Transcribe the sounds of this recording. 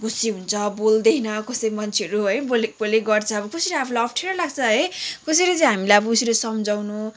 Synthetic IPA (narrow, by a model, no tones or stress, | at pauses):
ɡusiɦunt͡sʰʌbold̪ʌjnʌkʌsʌjimʌnt͡sʰeʌɾuɦʌjbolek̚boleɡʌrt͡sʰʌʌbʌkʌsiɾʌapʰulaʌpʰʈʰeɾʌlaɡt͡sʰʌɦʌjkʌsʌjɾʌt͡sʌ̃j̃ɦamilajʌbʌkusiɾesʌmd͡zawnu